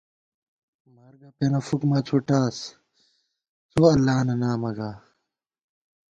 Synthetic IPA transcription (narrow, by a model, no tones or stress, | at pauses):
maɾɡɐpenɐfukmaːt͡sʰuʈaːs | t͡soɐlːaːnɐnaːmɐɡaː